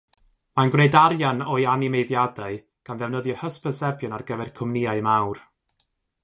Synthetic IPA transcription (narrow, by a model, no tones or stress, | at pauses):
manɡrejdaɾjanɔɨjanimejðjadaɨ | ɡ̥anðɛvnəðjɔhəspəsɛbjʊnarɡəvɛrkʰʊmniaɨmawr